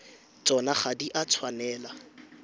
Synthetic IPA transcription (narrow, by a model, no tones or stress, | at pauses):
t͡sʼɔnaχadiʔat͡sʰwanɛːla